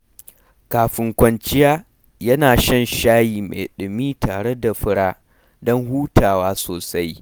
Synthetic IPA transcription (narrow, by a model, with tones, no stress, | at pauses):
kaː˨ɸɪ˨ŋkʷɐ˨˦nt͡ʃɪ˦jaː˦ | jɐ˦naː˨ʃɐ˦nʃaː˦jiː˨mḛ˨ɗɪ˨miː˦tʰaː˨ɽe˦da˨ɸɪ˦ɽaː˦ | dɔ˦ŋɦuː˦tʰaː˨waː˦soː˨sa˦j